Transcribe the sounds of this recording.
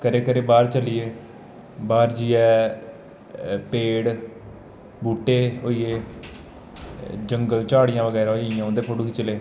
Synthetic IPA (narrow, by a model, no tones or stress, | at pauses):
kəɾeːkəɾeːbaːɾt͡ʃəliːeː | baːɾd͡ʒiːɛː | peːɽ | buːʈeːɦoːieː | d͡ʒəŋɡəlt͡ʃaːɽɪjãːʋəɡɛːɾaːɦoijãːõd̪eːpʰʊɽukːt͡ʃəleː